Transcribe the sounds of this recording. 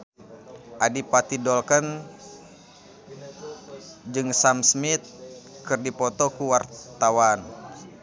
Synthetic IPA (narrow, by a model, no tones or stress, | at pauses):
ʔadipat̪idɔlkən | d͡ʒɨŋsamsmit̪̚kɨrdipɔt̪ɔkuwart̪awan